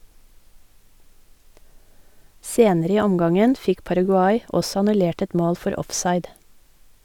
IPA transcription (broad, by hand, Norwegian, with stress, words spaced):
ˈseːnəɾə ˈiː ˈɔmɡɑŋən ˈfɪk pɑɾɑɡʉˈɑɪ ˈɔsɔ ɑnʉˈleːʈ ˈɛt ˈmoːl ˈfɔɾ ˈɔfsɑɪd